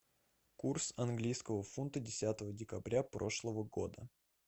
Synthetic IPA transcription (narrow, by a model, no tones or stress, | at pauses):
kursɐnɡlʲijskəvəfunt̪ədʲɪsʲat̪əvədʲɪkɐbɾʲapɾo̞ʂlˠəvəɡo̞̰d̪ə